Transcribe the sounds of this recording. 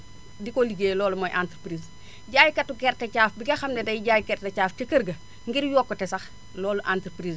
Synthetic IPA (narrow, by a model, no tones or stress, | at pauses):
dikoliɡeːlɔːlumojʔantɾpɾiːs | ɟaːjkɐtːukɛɾtɐt͡ʃaːfbiɡɐxɐmnɛdɐjɟaːjkɛrtɐt͡ʃaːft͡ʃɐkɐɾɡɐ | ŋɡiɾjoːkːotɛsɐx | lɔːluʔantɾpɾiːz